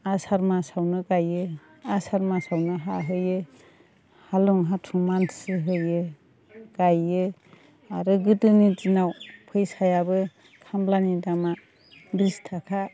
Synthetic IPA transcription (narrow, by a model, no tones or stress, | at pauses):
asaɾmasawnɯɡajɯ | asaɾmasawnɯɦaɦɯjɯ | haluŋɦatʰumansɯɦɯjɯ | ɡ̥ajɯ | aɾɯɡɯtɯnitinawpʰɯjsajabɯ | kʰamblanidama | bistʰakʰa